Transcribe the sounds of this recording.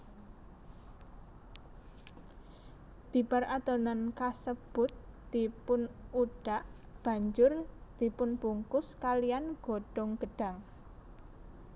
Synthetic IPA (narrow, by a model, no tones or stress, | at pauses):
b̥iparʔat̪ɔnankasəb̥ʊ̤t̪̚d̪̥i̤pʊnuɖ̥a̤ʔ | b̥a̤ɲd͡ʒʊrd̪̥ipʊnpuŋkʊskalijanɡ̥oɖ̥ɔŋɡ̥ə̤ɖ̥a̤ŋ